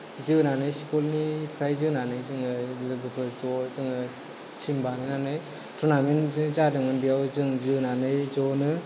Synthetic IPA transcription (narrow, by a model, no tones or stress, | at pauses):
zɯnanɯjsikolnipʰɾajzɯnanɯjzɯŋɯlɯɡɯpʰɯzɔzɯŋɯ | t͡ʃʰimbanɯnanɯj | tunamenzadɯŋɯnbijawzɯŋzɯnanɯjzɔnɯ